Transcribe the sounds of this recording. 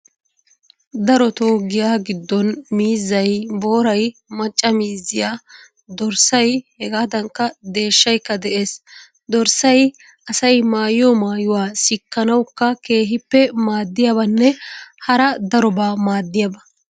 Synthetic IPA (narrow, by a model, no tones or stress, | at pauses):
d̪ɐɾɔt̪oːɡɪjaːɡɪd̪ːɔnmiːzːɐjbo̞ːɾɐjmɐt͡ʃʼːɐmiːzːɪjaː | d̪ɔɾsɐjhɛɡaːd̪ɐŋkːɐd̪e̞ːʃːɐjkːɐd̪ɛʔeːs | d̪ɔɾsɐj | ɐsɐjmaːjɔmaːjʊwaːsɪkːɐnɐwkːɐke̞ːɦɪpːɛmaːd̪ːɪjɐbɐnːɛhɐɾɐd̪ɐɾɔbaːmaːd̪ːɪjɐbɐ